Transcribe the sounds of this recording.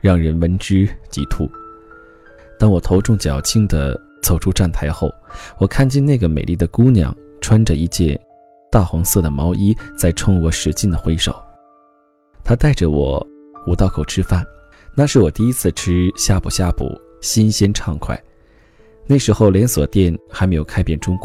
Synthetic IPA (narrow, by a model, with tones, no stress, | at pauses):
ɻɑ˥˩ŋɻə˧˥nwə˧˥nʈ͡ʂɻ̩˥t͡ɕḭ˧˥t̪ʰu˥˩ | t̪ɑ˥ŋwɔ˨˩t̪ʰo˧˥ʊʈ͡ʂʊ˥˩ŋt͡ɕjɑ˨˩ʊt͡ɕʰi˥ŋd̪ə̰˨ | t͡sʰo˨˩ʊʈ͡ʂʰu˥ʈ͡ʂa˥˩nt̪ʰa˧˥ɪxo˥˩ʊwɔ˨˩kʰa˥˧nt͡ɕjɛ˥˧na˥˩ɪɡə˩me˨˩ɪli˥˩d̪ə˩ku˥njɑ̰˨˩˦ŋ | ʈ͡ʂʰwa˥nʈ͡ʂə˨i˧˥t͡ɕjɛ˥˧n | t̪a˥˩xɑ˧˥ŋsɤ˥˩d̪ə˩mɑ˧˥ʊʔi˥t͡sa˥˧ɪʈ͡ʂʰʊ˥ŋwɔ˧˥ʂɻ̩˧˩t͡ɕi˥˩nd̪ə˩xwe˥ɪʂo̰˨˩˦ʊ | t̪ʰa˥t̪a˥˩ɪʈ͡ʂə˩wɔ̰˨˩˦ | u˨˩t̪ɑ˥˩ʊkʰo˨˩ʊʈ͡ʂʰɻ̩˥fa˥˩n | na˥˧ʂɻ̩˥˩wɔ˨˩t̪i˥˩i˧˥t͡sʰɹ̩˥˩ʈ͡ʂʰɻ̩˥ɕja˥˩pu˨˩ɕja˥˩pṵ˨˩˦ | ɕi˥nɕjɛ˥nʈ͡ʂʰɑ˥˧ŋkʰwa̰˥˩˦ɪ | na˥˩ɪʂɻ̩˧˥xo˥˧ʊljɛ˧˥nswɔ̰˨˩t̪jɛ˥˩nxa˧ɪme˧˥jo˨˩ʊkʰa˥pjɛ˥˩nʈ͡ʂʊ˥ŋk